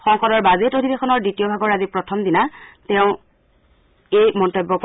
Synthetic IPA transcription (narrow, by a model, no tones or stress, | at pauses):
xɔŋkɔɾɔɹbazetodʱibexɔnɔɹditijɔbʱaɡɔɹazipɹɔtʰɔmdinatɛʊ̃ | ejmɔntobːɔk